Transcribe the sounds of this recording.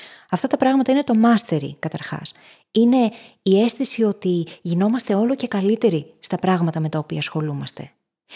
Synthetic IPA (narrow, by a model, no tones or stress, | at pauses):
ɐft̪ɐt̪ɐpɾɐɣmɐt̪ɐine̞t̪o̞mɐst̪e̞ɾḭkɐt̪ɐɾxɐ̰s | ine̞ | ie̞st̪isio̞t̪iʝino̞mɐst̪e̞o̞lo̞ce̞kɐlit̪e̞ɾist̪ɐpɾɐɣmɐt̪ɐme̞t̪ɐo̞piɐsxo̞lumɐst̪e̞